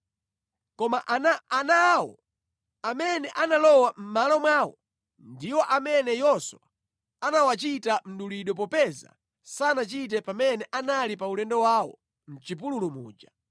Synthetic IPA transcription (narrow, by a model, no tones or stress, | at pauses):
kɔmaʔnanawɔ̰ | amɛnɛʔanalɔwam̩malɔmwaːwɔ̰ | ndiwɔʔamɛnɛjɔswa | anawat͡ʃitam̩ɗuliɗɔp̬ɔpɛza̰ | sanat͡ʃit̬ɛpamɛnɛʔanalipaulɛndɔwaːwɔ̰ | m̩t͡ʃip̬ululumṵːd͡ʒa